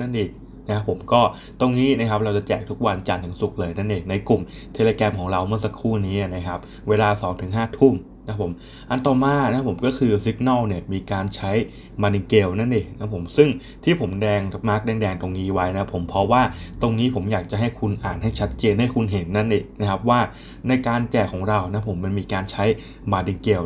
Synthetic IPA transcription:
na˥˩nʔi˨˩k̚ | na˦˥kʰa˦˥pʰːo˨˩˦mkɔː˥˩ | t̪o˧ŋniː˦˥na˦˥kʰa˦˥p̚ɾa˧wt͡ɕɔ˧˩t͡ɕɛː˨˩k̚t̪ʰu˦˥k̚wa˧nt͡ɕa˧˩nt̪ʰɯ˩˦ŋsu˨˩k̚lɤː˧jna˥˩nʔiː˨˩na˧jklu˨˩m | t̪ʰe˧leː˧kɛː˧mkʰɔː˩˦ŋɾa˧wmɯ˥˩ɐsa˨˧kʰːuː˥˩niː˦˥ʔa˨˩na˦˥kʰa˦˥p̚ | weː˧laː˧sɔː˩˦ŋt̪ʰɯ˨˩˦ŋɦaː˥˩t̪ʰu˥˩m | na˦˥pʰːo˩˦m | ʔa˧nt̪ɔː˨˩maː˧nʰ˧˥a˦˥pʰo˩˦mkɔː˥˩kʰɯː˧si˦˥k̚na˥˩wni˥˩ɐmiː˧kaː˧nt͡ɕʰa˦˥j | maː˧ni˧ŋkeː˧wna˥˩nʔeː˨˩na˦˥pʰo˩˦msɯ˥˩ŋ | t̪ʰiː˥˩pʰo˩˦mdɛː˧ŋma˦˥k̚dɛː˧ŋdɛː˧ŋt̪o˧ŋniː˦˥wa˦˥jna˦˥pʰːo˩˦mpʰɔ˦˥waː˥˩t̪o˧ŋniː˦˥pʰo˩˦mjaː˨˩k̚t͡ɕa˨˩ɦa˥˩jkʰu˧nʔa̰ː˨˩nɦa˥˩jt͡ɕʰa˦˥t̪̚t͡ɕeː˧nɦa˥˩jkʰu˧nɦe˩˦nːa˥˩nʔeː˨˩na˦˥kʰa˦˥p̚waː˥˩ | na˧jkaː˧nt͡ɕɛː˨˩kʰːɔː˩˦ŋɾa˧wna˦˥pʰo˨˩˦mːa˧nmiː˧kaː˧nt͡ɕʰa˦˥j | maː˧di˧ŋke˧w

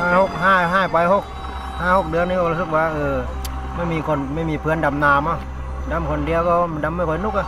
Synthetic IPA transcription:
aː˧˩ho˧˩k̚ɦaː˧˥˩ɦaː˧˥˩jpa˧˦jɦo˧˩k̚ | haː˧˥˩ho˧˩k̚dɯ˨˧˦əŋniː˧kɔː˧˩˧u˧˩sɯ˧k̚waː˧ʔɤː˧˩ | ma˥˩jmiː˧˩kʰo˧˩˨nma˥˩˨jmiː˧˩pʰɯ˧ə˨nda˨˧˩mnaː˧˩˨ma˧˩˨ | da˧˥˨mkʰo˧˩˨ndi˨˧˨əwkɔ˧˨˧da˧˥mːa˥˩jkʰɔ˨˦jnu˧˥k̚ʔa˧˩˨

